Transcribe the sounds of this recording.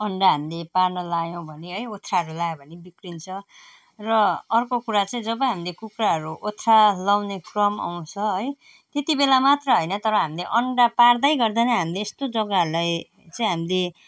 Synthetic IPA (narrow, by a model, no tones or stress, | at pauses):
ʌɳɖaɦamileparnʌlajow̃bʱʌneɦʌjot̪ʰːraɦʌɾulaj̃bʱʌnebikrint͡sʰʌ | rʌːrkokuɾat͡saĩd͡zʌbʌɦamilekukraɦʌɾuʔot̪ʰralawnekrʌma̰w̃t͡sʰʌɦʌj | t̪et̪ibelamat̪rʌɦʌjnʌt̪ʌɾʌɦamileʔʌɳɖapard̪ajɡʌrd̪anʌɦamileːst̪od͡zʌɡaulaj | t͡saĩɦamile